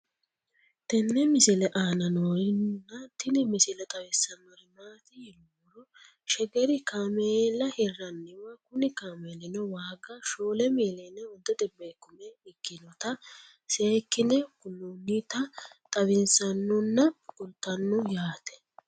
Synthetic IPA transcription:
t̪ɛnːɛmɪsɪlɛʔaːnɐnoːjɪnnːɐt̪ːɪnɪmɪsɪlɛt̪ʼɐwɪsːɐnːɔhɪmaːt̪ɪjɛluːɾɔ | ʃɛɡɛɾɪkaːmeːlːɐhɪrːɐnːɪwɐkʊnɪkaːmeːlɪnɔwaːɡɐʃoːlɛmiːlɛnɛɔd̪ɔd̪ɛbːekːʊmɛɪkːɪnɔt̪ɐ | seːkːɪnɛkʊnːunːit̪ɐt̪ʼɐwɪnsɐnːʊnːɐkʼʊlt̪ːɐnːʊjaːt̪ɛ̥

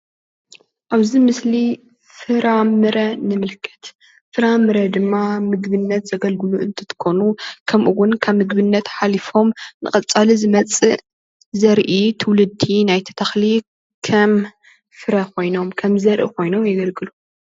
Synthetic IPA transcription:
ʔaβzimɨsli | fɨɾamɨɾɐnɨmɨlkʰɐ̥t̪ | fɨɾamɨɾɐd̪ɨmːamɨɡβɨnːɐt̪z̥ɐɡɐlɡɨluʔɨ̰nt̪ʰɨt̪ʰɨ̥kʰonukʰɐmʔuwʊnkʰaβmɨɡbɨnːɐt̪ħalifo̞mnɨ̰χʼɐt͡sʼalizɨmɐt͡sʼɨ | zɐɾʔit̪ʰɨwlɨd̪ːinajt̪ʰɐ̥t̪ʰaxli | kʰɐm | fɨɾɐko̞jno̞mkʰɐmzɐɾʔḭkʰo̞jno̞mjɐɡɐlɡɨlu

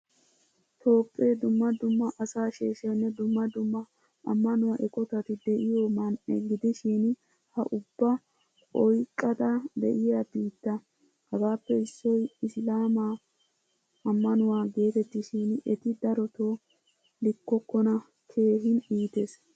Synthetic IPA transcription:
t̪o̞ːpʼːeːd̪ʊmːɐd̪ʊmːɐʔɐsaːʃeːʃɐnːɛd̪ʊmːɐd̪ʊmːɐ | ʔɐ̰mːɐnʊwaʔɛkʼɔt̪ɐt̪ɪd̪ɛʔɪjoːmɐnʔɛ̰ɡɪd̪ɪʃɪn | hɐʔʊbːɐ | ɔjkʼːɐd̪ɐd̪ɛ̰ʔɪjabiːt̪ːɐ | hɐɡaːpːɛɪsːɔjɪslaːma | ʔɐmːɐnʊwaːɡe̞ːt̪ɛt̪ːɪʃinɛt̪ɪd̪ɐɾɔt̪o | lɪkːɔkːɔnɐ | kʰe̞ːɦɪniːt̪es

